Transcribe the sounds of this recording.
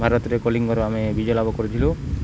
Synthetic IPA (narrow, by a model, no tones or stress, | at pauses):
bʱaɾɔt̪ɔɾekoliŋkɔɾoamebid͡ʒɔlabɔkoɾet̪ʰilu